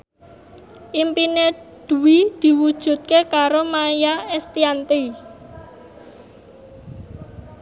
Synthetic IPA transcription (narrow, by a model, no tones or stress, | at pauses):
ʔimpined̪̥ṳwid̪̥i̤wud̥ʒ̥ṳt̪̚kekaɾomajaɛst̪iant̪i